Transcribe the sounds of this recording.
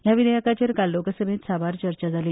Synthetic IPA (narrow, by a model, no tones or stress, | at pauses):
ɦjaʋinəjəkat͡ɕeɾkalːokəsəmet̪saʋaɾt͡ɕəɾt͡ɕad͡zʱaliː